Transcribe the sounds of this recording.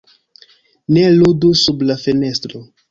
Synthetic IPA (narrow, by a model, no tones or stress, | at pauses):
neludusublafene̞stɾo